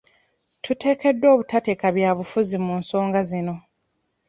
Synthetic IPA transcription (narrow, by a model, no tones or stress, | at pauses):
tʰute̞ːke̞dːwo̞ːβutate̞kaβjaːβufuzimuːnso̞ːŋɡazino̞